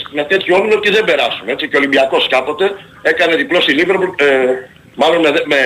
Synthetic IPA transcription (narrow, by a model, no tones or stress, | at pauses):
met̪e̞t̪çuoninoɾcizðe̞mbe̞ɾɐsune̞t͡siceolimbiɐko̞skɐpo̞t̪e̞ | e̞kɐne̞ðiplo̞silivɾp | mɐlo̞nmeðme